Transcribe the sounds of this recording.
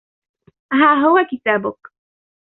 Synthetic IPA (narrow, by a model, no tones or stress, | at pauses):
ɦaːɦʊwakɪt̪aːbʊk